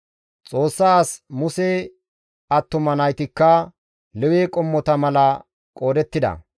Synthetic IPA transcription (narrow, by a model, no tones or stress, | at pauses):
t͡sʼo̞ːsːasmʊse | ɐt̪ːʊmɐnɐjt̪ɪkːɐ | lɛweːkʼɔmːɔt̪ɐmɐlɐ | kʼo̞ːd̪ɛt̪ːɪd̪ɐ̰